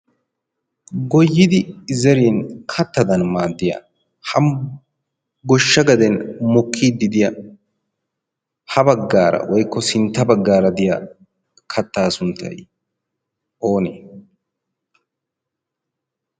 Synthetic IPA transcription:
ɡɔjːɪd̪ɪzɛɾiːnkʰɐt̪ːɐd̪ɐnmaːd̪ːɪjɐ̰ | hɐm | ɡɔʃːɐɡɐd̪ɛnmɔkʰːiːd̪ːɪd̪ɪjɐ | hɐbɐɡːaːɾɐ̰wɔjkːɔsɪnt̪ːɐbɐɡːaːɾɐd̪ɪja | kʰɐt̪ːaːsʊnt̪ʰːɐ̰j | ʔoːnḛː

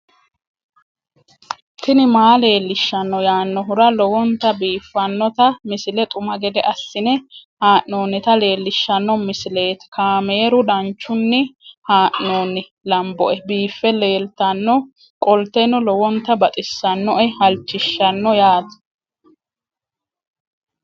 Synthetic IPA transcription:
tɪnɪmaːle̞ːlːɪʃːɐnːɔjaːnːɔɦʊɾɐlɔwɔnt̪ːɐbiːfːɐnːɔt̪ɐmɪsɪlɛt̪ʼʊmɐɡɛd̪ɛʔɐsːɪnɛhaːʔnoːnːɪt̪ɐle̞ːlːɪʃːɐnːɔmɪsɪle̞ːt̪kaːmeːɾʊd̪ɐnt͡ʃːʊnːɪhaːʔnoːnːɪ | lɐmbɔʔɛbiːfːɛle̞ːlt̪ɐnːɔ | kʼɔlt̪ːɛnɔlɔwɔnt̪ːɐbɐt̪ʼɪsːɐnːɔʔɛhɐlt͡ʃːɪʃːɐnːɔjaːd̪ɐ̥

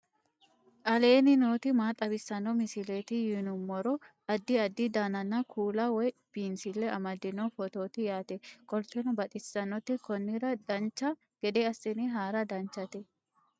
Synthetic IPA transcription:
ʔʼɐle̞ːnɪnoːt̪ɪmaːt̪ʼɐbɪsːɐnːɔmɪsɪleːt̪ɪjinʊmːɔɾɔ | ɐd̪ːɪɐd̪ːɪd̪aːnɐnːɐkʰuːlɐwɔjb̥iːnsɪlːɛʔɐmɐd̪ːɪnɔfɔt̪o̞ːt̪ɪjaːt̪ɛkʼɔlt͡ʃːɛnɔbɐt̪ʼɪsːɐnːɔt̪ːɪkɔnːɪɾɐd̪ɐnt͡ʃːɐ | ɡ̥ɛd̪ɛɐsːɪnɪɦaːɾɐd̪ɐnt͡ʃːɐt̪ɛ

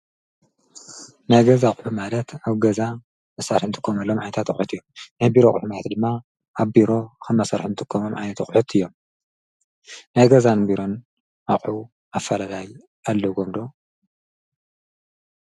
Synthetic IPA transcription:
najɡɐzaχʼħumalɐt̪aβɡɐza | ɨsaɾħunɨt̪ʰʼɨ̥kʰːomɐlːomʕajnɐt̪ʰat̪kʼħut̪ɨjːomnajbiɾoħumalɐt̪d̪ɨmːa | ʔaβbiɾo̞kʰɨmːɐsɐɾħunɨt̪ʰʼɨkʰːomomʕajnɐt̪xʼħut̪ʰɨjːo̞m | najɡɐzanbiɾo̞n | aχʼħu | afɐlalaj | alːɐɡomd̪o̞

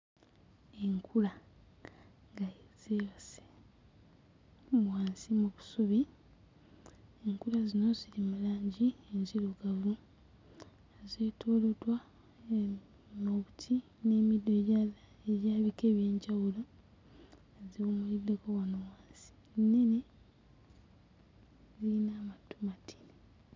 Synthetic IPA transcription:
eŋkʰula | ŋɡaz̥ewase̥ | waːnsimuβusuβi | eŋkulazino̞zilimulaːɲɟienziloɡavu | zeːtʰoːlotwa | moβutʰi | ne̞ːmidojal | eβjaːβikeːβje̞ːɲɟawulo̞ | ziβumulidːe̞ko̞wanowaːnsi̥ | neni | ziinamatu̥matʰi̥ni

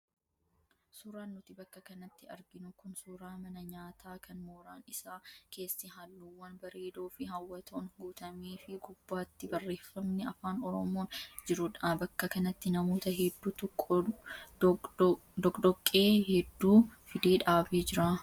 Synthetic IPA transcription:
suːɾaːnːʊt̪ɪbɐkːɐkɐnɐt̪ːɪɐ̰ɾɡɪnʊkʊnsuːɾaːmɐnɐɲaːt̪ʰaːkɐnmoːɾaːnɪsaːke̞ːsːɪɦɐlːuːwːɐnbɐɾe̞ːd̪oːfɪɦɐwːɐt̪ʰoːnɡuːt̪ɐmiːfɪɡʊbːaːt̪ːɪbɐrːe̞ːfːɐmnɛɐfaːnɔɾɔmoːnd͡ʒɪɾʊᶑabɐkːɐkɐnɐt̪ːɪnɐmoːt̪ɐɦɛd̪ːuːt̪ʼ | d̪ɔkʼd̪ɔkʼːeːhɛd̪ːuːfɪd̪e̞ːᶑaːbeːd͡ʒɪɾaː

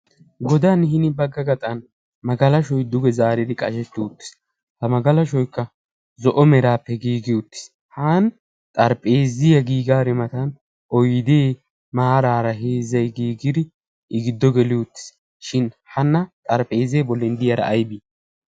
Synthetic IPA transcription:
ɡɔd̪aːnhɪnɪbɐɡːɐɡɐt̪ʼɐn | mɐɡɐlɐʃɔjd̪ʊɡɛzaːɾɪd̪ɪkʼɐʃɛt̪ːɪʊt̪ːɪ̥s | hɐmɐɡɐlɐʃɔjkːɐ | zɔʔɔmɛɾaːpːɛɡiːɡɪʊt̪ːɪ̥s | haːn | t̪ʼɐɾpʼe̞ːzɪjɐɡiːɡaːɾɛmɐt̪ɐn | ʔɔjd̪eː | maːɾaːɾɐɦeːzːɐjɡiːɡɪd̪ɪ | ʔɪɡɪd̪ːɔɡɛlɪʊt̪ːɪ̥s | ʃɪnhɐnːɐt̪ʼɐɾpʼe̞ːzeːbɔlːɛnd̪ɪjɐɾɐ̰ʔːjbiː

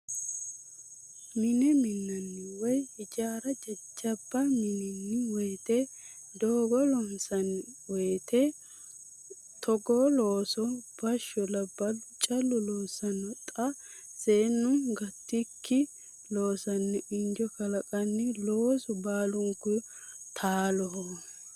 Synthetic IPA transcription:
mɪnɛmɪnːɐnːɪwɔjhɪd͡ʒaːɾɐd͡ʒɐd͡ʒːɐbːɐmɪnɪnːɪwɛjt̪e | d̪oːɡɔlɔnsɐnwɛjt̪ʰe | t̪ʰɔɡoloːsɔb̥ɐʃːɔlɐbɐt͡ʃʼɐlːʊloːsɐnɔt̪ʼɐ | seːnːʊɡɐt̪ːɪk̪ʰːɪ | loːsɐnːɪʔɪnd͡ʒɔkɐlɐkʼɐnːɪloːsɔbaːlʊŋkːʊt̪ʰaːlɔhɔ

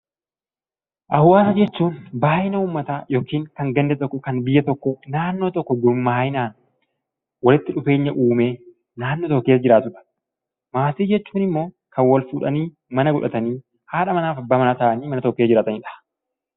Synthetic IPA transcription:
ʔɐhʊwaːsɐd͡ʒɛt͡ʃːuːnbaːʔɪnɐuːmːɐt̪aːjoːkiːŋkɐŋɡɐnd̪ɛt̪ɔkːɔkɐnbɪjːɐt̪ɔkːɔnaːnːoːt̪ɔkːɔd̪ʊɾmːaːjɪnaːn | wɐlɪt̪ːɪᶑʊfe̞ːɲːɐʔuːmeː | naːnːot̪ɔkːeːsd͡ʒɪɾaːt̪ʊᶑɐ̥ | maːsiːd͡ʒɛt͡ʃːuːnɪmːo̞ː | kɐnwɐlfuːᶑɐniː | mɐnɐɡʊᶑɐt̪ɐniː | haːᶑɐmɐnaːfɐbːaːmɐnaːt̪ɐʔɐniːmɐnɐt̪ɔkːesd͡ʒɪɾaːt̪ɐnɪᶑɐ̥

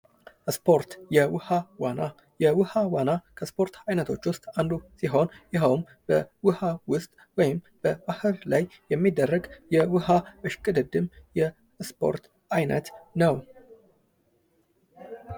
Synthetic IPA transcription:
spʰo̞ɾt̪jɛwɨhawana | jɛwɨhawanakʰəspʰo̞ɾt̪ʰajnət̪ʰo̞t͡ʃːwʊst̪ʼand̪usiɦo̞njɛɦəwm | b̥əwɨhawʊst̪ʼ | wɔjɪm | b̥əbahɨɾlajːɛmːid̪ːərːəɡjɛwɨhaʔɨʃkʼɨd̪ɨd̪ɨmjɛ | spʰo̞̰ɾt̪ | ajnə̰t̪nəw

